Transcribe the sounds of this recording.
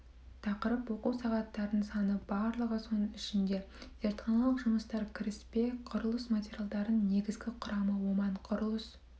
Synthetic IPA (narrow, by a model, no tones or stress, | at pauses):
t̪ʰɑqəɾəpwo̞quwsɑʁɑt̪ːɑɾd̪əɴsɑnəbɑɾlˠəʁəsonɪʃɪnd̪e̞ | z̥e̞ɾt̪χɑnɑlˠəqʒʊməst̪ɑɾkʲʰɪɾɪspe̞qʰʊɾlˠəsmatʲeɾʲjalˠd̪ɑɾənne̞ɡʲɪzɡʲɪqʰʊɾɑməwo̞mɑɴqʰʊɾlˠəs